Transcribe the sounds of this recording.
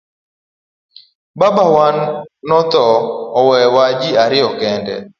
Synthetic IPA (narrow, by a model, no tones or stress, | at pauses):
babawanːɔt̪ɔɔwɛwad͡ʒiaɾɪɔkɛndɛ̰